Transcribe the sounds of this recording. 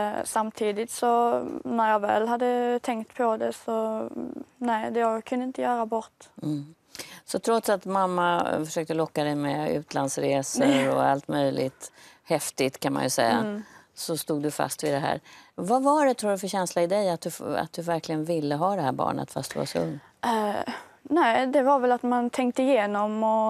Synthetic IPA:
samt̪ʰiːd̪ɪt̪sɔnæɾjɑːɡvɛ̰ːlɦad̪ːət̪ʰɛŋkt̪pʰɔd̪ɛsɔ | nɛɪd̪ɛjɑɡkʰɵnːəɪnt̪əjœːɾabɔɾt̪̩ː | sɔt̪ʰɾɔt̪sat̪mamːafœʂøːkt̪əlɔkːad̪ɛjmɛʉ̟̰ːt̪ʰland̪sɾeːsəɾɔalt̪mœjlʔɪ̰t̪hɛft̪ɪt̪kʰanma̰njɵsɛ̰jːa̰ | sɔst̪uːɡ̚d̪ɵfa̰st̪vɪd̪ɛɦæ̰ːɾvavaɖɛt̪ʰɾuːɖ̪ɵfœɕɛnslaɪd̪ɛjat̪̚d̪ɵa̰t̪̚d̪ɵvæɾklɪɡənvɪlːəɦɑːd̪ɛɦæːɾbɑ̰ːɳə̰t̪fa̰st̪d̪ɵva̰ʂɵ̰ŋː | næːd̪ɛvaɾvɛlat̪mant̪ʰɛŋkt̪əɪjeːnɔmɔ

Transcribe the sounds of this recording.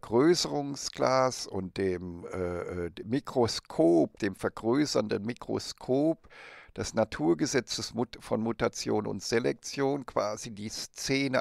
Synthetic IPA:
ɡ̥ʁøːsəʁʊŋsɡ̥laːsʊ̰nt̚d̥eːmʔɛʔːmikʁ̥oskʰoːp̚d̥eːmfɛɐɡʁøːsɐndənmikʁ̥o̰skʰoːpd̥ɛsnatʰuːɐɡəzɛt͡səsmfɔnmutat͡sjo̰ːnʊ̰ntz̥elɛk̚t͡sjoːnkv̥a̰ːzidiːst͡seːnə

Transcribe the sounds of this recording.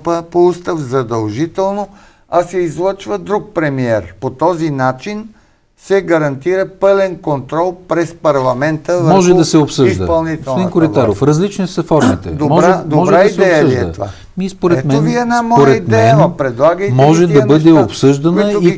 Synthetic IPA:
pəpoust̪ɐfzɐd̪ɐlˠʒit̪ɛlˠno | asɛizlˠət͡ʃvəd̪ɾuk̚pɾɛmiɛɾpot̪ɔzinat͡ʃin | sɛɡɐɾɐnt̪iɾəpɤlɛnkont̪ɾɔlˠpɾɛspɐɾlˠɐmɛnt̪əvmɔʒɛd̪ɐsɛopsɤʒisd̪ə̰pɐlˠnit̪ɛlnod̪inkoɾit̪aɾofɾɐzlit͡ʃnisɐfɔɾmit̪ɛ̰d̪omɔʒɾad̪oɔʒbɛaɐisdɛɛjsəliɛdə̰ova̰ | mispoɾɛɛmɛonviɛnamɔojɛid̪ɛjəɐpɾɛd̪lˠaɡəjmɔʒɛd̪ɐbɤd̪ɛopsɤʒd̪ɐnəui

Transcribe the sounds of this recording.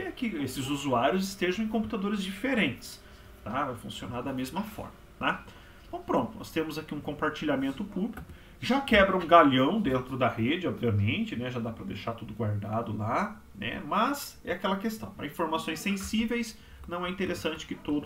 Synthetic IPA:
eɐkɪesɪzuzuaɾjʊzɪst̪eʒɐ̃w̃ẽkõmput̪ad̪oɾɪzd͡ʒifeɾẽnt͡ʃɪ̥s | t̪aafũsionaɾd̪ɐmezmɐfɔ̰ɾmɐt̪a | ɪ̃t̪ɐ̃w̃pɾõnt̪ʊnɔst̪ẽmʊzakiũkõpaɾt͡ʃilʎamẽnt̪ʊpublikʊ | ʒakɛbɾɐũɡaʎɐ̃w̃d̪ẽnt̪ɾʊd̪ɐhed͡ʒɪabviamẽnt͡ʃɪnɛʒad̪apɾɐd̪ḛjʃat̪ud̪ʊɡwaɾd̪ad̪ʊla | nɛ̰mɐz̥ɛɐkɛlɐkest̪ɐ̃w̃pɾɐĩfoɾmasõj̃sẽsivejs | nɐ̃w̃ɛĩnt̪eɾesɐ̃nt͡ʃɪ̥kɪt̪od̪

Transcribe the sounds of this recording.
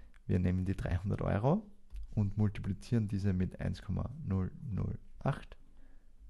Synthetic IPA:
viːɐneːməndiːd̥ʁa̰ɪhʊndɐ̰tʔɔ̰ʏʁo | ʔʊntmʊltiplit͡siːʁəndiːzəmɪtʔa̰ɪnskʰɔma̰nʊlnʊ̰lʔaxt

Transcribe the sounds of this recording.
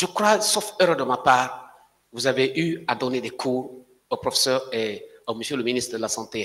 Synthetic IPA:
ʒəkɾwasofɛɾd̪əmapaːʁ | vuzaveʔyad̪ɔned̪ɛkʰuːʁ | opɾofe̥sœʁeoməsjøləminist̪d̪əlasɑ̃t̪e

